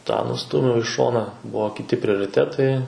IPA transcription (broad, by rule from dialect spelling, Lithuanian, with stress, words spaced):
tɑː nʊˈstuːmʲɛʊ ɪ ˈʃoːnɐ ˈbʊʋoː kʲɪˈtʲɪ pʲrʲoːrʲɪˈtʲæːtɐɪ